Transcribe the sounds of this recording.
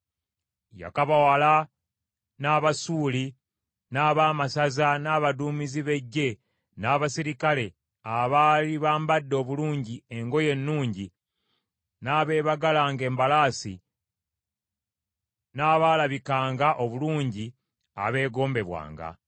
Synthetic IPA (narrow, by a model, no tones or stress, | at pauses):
ja̰kaβawala | naːβasuːli | naːβaːmasazanaːβaduːmiziβe̞ɟːe̞ | naːβasiɾikale̞ | aβaliβaːmbadːo̞ːβuluːɲɟie̞ŋɡo̞je̞nːuːɲɟi | naːβe̞ːβaɡalaːŋɡe̞ːmbalaːsḭ | naːβaːlaβikaːŋɡaʔo̞βuluːɲɟi | a̰βe̞ːɡo̞ːmbe̞βwa̰ːŋɡa̰